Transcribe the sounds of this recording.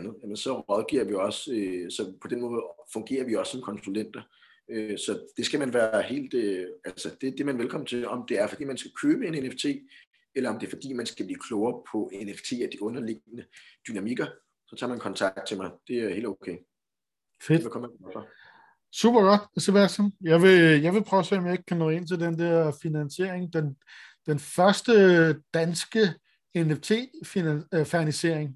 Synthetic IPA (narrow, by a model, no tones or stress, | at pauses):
nð̩ˠjæmənsɒ̽ʁɒðˠɡ̥ḭɐʋiɒ̽søsɒ̽pʰɒ̽d̥enmɔ̽ːð̞̩ˠfɔ̽ŋɡ̥e̝̰ːɐʋiɒ̽sːɒ̽mkʰɒ̽nsulen̰d̥ɐ | øsɒ̽d̥e̝sɡ̥æmænʋæːɐɐhe̝̰ːld̥øællsəd̥e̝d̥e̝mænʋelkʰɒ̽mn̩t͡sʰe̝lɒ̽md̥e̝æɐfɒ̽d̥ḭːmænsɡ̥ækʰøːb̥əe̝neneft͡sʰe̝̰ː | elɐɒ̽md̥e̝ɐfɒ̽d̥ḭːmænsɡ̥æb̥liːkʰlɔʊɐpʰɒ̽ʔeneft͡sʰe̝̰ːæd̥iʔɔ̽nɐle̝ɡ̥ənəd̥ynæmiɡ̥ɐ | sɒt͡sʰɑ̈ːmænkʰɒ̽nt͡sʰɑ̈ɡ̥d̥̚t͡sʰe̝mɑ̈ɪd̥e̝æɐhe̝̰l̥okʰḛː | fed̥ækʰɒmæ̥fɒ | sṵːb̥ɐɡ̥ɒ̽d̥sɒʋæsɒnjɑ̈ɪʋe̝jɑɪʋe̝pʰɒsḛːɒ̽mjɑ̈e̝ɡ̥kʰænɔ̰̽ːe̝n̰t͡sʰe̝ld̥end̥ɛɐ̰finænse̝ɐ̰eŋd̥en | d̥enfɶɐsd̥əd̥ænsɡ̥ə | eneft͡sʰe̝̰ːfifæɐnise̝ɐ̰eŋ